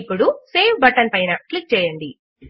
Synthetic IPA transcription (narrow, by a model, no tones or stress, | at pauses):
pːuɽuseːʋʰbɐʈɐnpɐjnɐklik̚t͡ʃɛːjɐɳɖi